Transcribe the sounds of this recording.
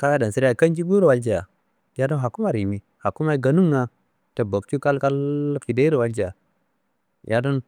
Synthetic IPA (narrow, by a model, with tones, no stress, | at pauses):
ka˦ja˦da˨nsi˦ɾa˨ka˦nd͡ʒi˦ɡu˦ɾwa˦ld͡ʒi˨ja˨ | ja˦do˦nɦa˨ku˦ma˦ɾi˨mi˨ | ha˨kːu˦ma˦i˦ɡa˨nu˦ŋːa˦ | te˨bo˨k̚t͡ʃu˦ka˦lka˦lki˨de˦i˦ɾi˨wa˦ld͡ʒi˨ja˨ | jʔa˦do˦n